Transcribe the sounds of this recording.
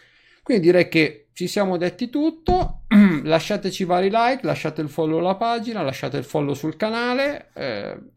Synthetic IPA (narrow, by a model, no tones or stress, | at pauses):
kwind̪id̪iɾɛjket͡ʃisjaːmod̪et̪ːit̪ut̪ːolaʃːaːt̪et͡ʃivaːɾilajklaʃːaːt̪eilfɔlːolapaːd͡ʒinalaʃːa̰ːt̪eilfɔlːosulkanaːleɛ̰